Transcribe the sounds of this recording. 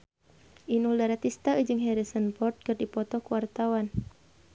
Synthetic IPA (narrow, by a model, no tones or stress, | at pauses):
ʔinuldaɾat̪ist̪aʔəd͡ʒɨŋɦɛɾisənpɔrt̪̚kɨrdipɔt̪ɔkuwart̪awan